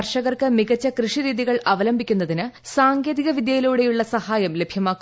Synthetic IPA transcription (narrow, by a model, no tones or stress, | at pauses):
ɐrʂɐɣɐrkɨmiɣɐt͡ɕːɐkrɨʂiɾiːðiɣɐɭɐʋɐlɐmbʱikʲːunːɐðinɨsaːŋɡeːðiɣɐʋid̪jɐjiluːɽe̞juɭːɐsɐhaːjɐmle̞bʱjɐmaːkːu